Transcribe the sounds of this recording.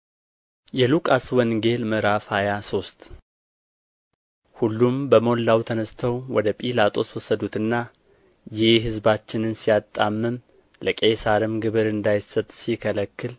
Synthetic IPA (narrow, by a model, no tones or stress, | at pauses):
jɛlukʼaswɔnɡe̞lmɨɾafhajaso̞st̪ʼ | hulːumbəmo̞lːawt̪ʰənəst̪ʰəwwɔd̪əpʼilat̪ʼo̞swɔsːəd̪ut̪ɨnːa | jɪhɦɨzbat͡ʃːɪnɨnsijat̪ʼːamːɨm | ləkʼesaɾɪmɡɨβɨɾɨnd̪ajsːət̪ʼsikʰələkːɨl